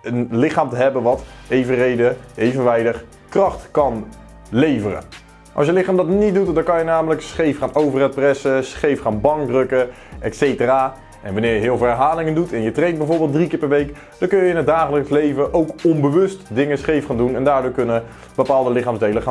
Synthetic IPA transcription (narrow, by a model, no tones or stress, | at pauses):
ənlɪχaːmtəɦɛbənʋɑtejvərejdəejvənʋɛjdəχ | krɑχtkɑn | lejvərə̰ | ʔɑ̰sjəlɪχaːmdɑtnit̚dutdɑnkɑnjənaːmələksχejfχaːnowvərɛt̚prɛsəsχejfχaːnbɑŋk̚drɵkə | ʔɛtsejtəraː | ʔɛ̰nʋɑnɪːɹjəɦɪːlˠvɛɹɦaːlɪŋəndutʰɛnjətrejnbɛjvoːɹbeːlˠtdrikɪːɹpɛɹʋejk | d̥ɑnkɵnjəɪnɦət̚daːχələkslejvəʔowkɔmbəʋɵstdɪŋəsχejfχaːndunɛndaːɹdʊːɹkɵnə | b̥əpaːlˠdəlɪχaːmzdejləχa